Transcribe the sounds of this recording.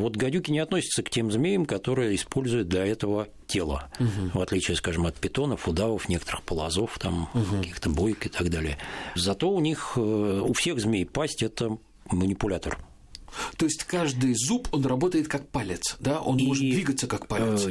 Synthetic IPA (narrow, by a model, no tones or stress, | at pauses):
vo̞t̪ɡɐdʲukʲɪnʲɪɐt̪nosʲɪ̥t̪səktʲe̞mzmʲejəmkɐt̪o̞ɾɨjəɪspo̞lʲzʊjɪt̪̚d̪lʲɐɛt̪əvə | tʲe̞lˠə̰vɐt̪lʲit͡ɕɪəskaʐɨmɐt̪̚pʲɪt̪o̞nəfʊd̪avəfnʲe̞kə̥t̪əɾɨxpəlˠɐzo̞ft̪amkɐkʲixt̪əbo̞jkɪt̪aɡd̪alʲɪjəzɐt̪o̞ʊnʲixʊfsʲe̞ɣzmʲejpasʲtʲɛt̪ə | mənʲɪpʊlʲat̪ə̰r | t̪o̞ɪsʲtʲkaʐd̪ɨjzupʰo̞nrɐbo̞t̪əjɪt̪kak̚palʲɪt̪sd̪aʔo̞nmo̞ʐɨt̪ddvʲiɡət̪səkakpalʲɪs